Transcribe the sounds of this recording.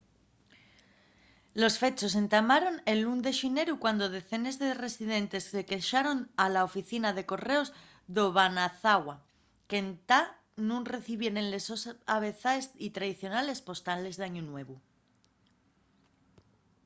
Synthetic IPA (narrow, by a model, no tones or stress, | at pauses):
lo̞sfe̞t͡ʃo̞s̬e̞nt̪amaɾo̞ne̞nlund̪e̞ʃine̞ɾukwand̪o̞ð̞e̞θe̞nezðe̞re̞sið̞e̞nt̪e̞sːe̞ke̞ʃaɾo̞nalaofiθinaðe̞ko̞re̞o̞z | ðoβanaθaɣwa | ke̞nt̪a | nũnre̞θiβje̞ɾe̞nle̞so̞saβe̞θaesit̪ɾaðiθjo̞nale̞spo̞st̪ale̞zðaɲunwe̞β̞u